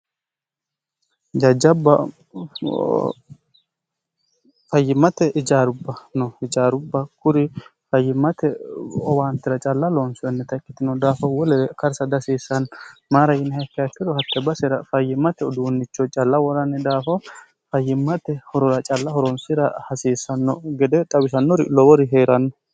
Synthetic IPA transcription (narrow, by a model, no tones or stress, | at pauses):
d͡ʒɐd͡ʒːɐbːɐ | fɐjːɪmːɐt̪ɛʔɪd͡ʒaːɾʊbːɐnɔɪd͡ʒaːɾʊbːɐkʰʊɾɪfɐjːɪmɐt̪ɛɔwaːnt̪ːɪɾɐt͡ʃʼɐlːɐlɔnsɪjɔnːɛt̪ɐkʼːɪt̪ɪnɔd̪aːfɔwɔlɛkɐɾsɐd̪ɐsiːsɐnmaːɾɐjɪnhɐkːɪɐkːɪd̪ɔhɐt̪ːɛbɐsɛɾɐfɐjːɪmɐt̪ɛɔd̪uːnːɪt͡ʃːɔt͡ʃʼɐlːɐwɔɾɐnːɛd̪aːfɔ | fɐjːɪmːɐt̪ɛhɔɾɔɾɐt͡ʃʼɐlːɐhɔɾɔnsɪɾɐhɐsiːsɐnːɔɡɛd̪ɛt̪ʼɐwɪsɐnːɔɾɪ̰lɔwɔɾɪɦeːɾɐnːɔ